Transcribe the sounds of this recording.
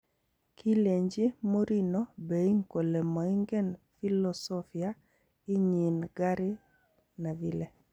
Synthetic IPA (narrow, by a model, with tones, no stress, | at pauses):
kʰi˦le˨ɲd͡ʒi˦mo˦ɾi˦nɔ˦be˨i˦ŋko˨lɛ˨mɔ˨i˦ŋɡɛ˦nfi˦lɔsɔfi˨a˦ | i˦ɲi˨nɡ̥a˦ɾɪ˦ | na˨vi˦le˨